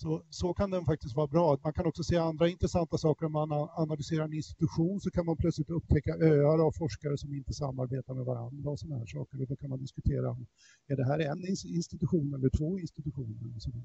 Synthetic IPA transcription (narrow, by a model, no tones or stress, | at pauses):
sɔsɔkʰand̪ɛnfak̚t̪ɪst̪vɑːɾabɾɑːt̪mankʰanɔksɔseːaand̪ɾaɪnt̪ɾɛsant̪asɑːkəɾɔmmananalʏseːɾaɾɛnɪnst̪ɪ̥t̪ɵɧuːnsɔkʰanmanpʰlœtslɪt̪ɵpːt̪ʰɛkːaʔøːaɾəavfɔʂkaɾəsɔmɪnt̪əsamːaɾbeːt̪aɾmɛva̰ɾa̰nd̪ɾaɔsɔnahæ̰ːʂɑ̰ːkəɾɔd̪ɔkʰanmand̪ɪskɵt̪ʰeːɾa̰ɔm | ɛɖɛɦæːɾɛnːɪɪnst̪ɪt̪ɵɧuːnɛlːəʈʰvoːɪnst̪ɪt̪ɵɧuːnəlsɔd̪